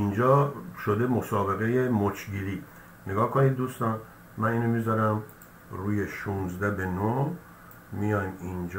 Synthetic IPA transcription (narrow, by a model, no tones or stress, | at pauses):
ind͡ʒɒːʃod̪e̞mo̞sɒːbe̞ɣeje̞mot͡ʃʰɟiliː | neɡɒːhkʰonid̪̚d̪uːst̪ɒːn | mæniːnomizɒɾæm | ruːje̞ʃuːnzd̪æbe̞no | mijɒjmind͡ʒ